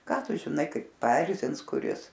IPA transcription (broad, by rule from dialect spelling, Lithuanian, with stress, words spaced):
ˈkɑː ˈtʊ ʒʲɪˈnɐɪ ˈkɐɪp pɐˈɛrʲzʲɪns kʊˈrʲɪs